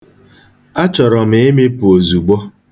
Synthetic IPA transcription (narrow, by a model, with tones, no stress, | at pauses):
a˦t͡ʃɔ˨ɾɔ˨m˨e˦me˦pʊ˨o˨zu˨ɡ͡bɔ˦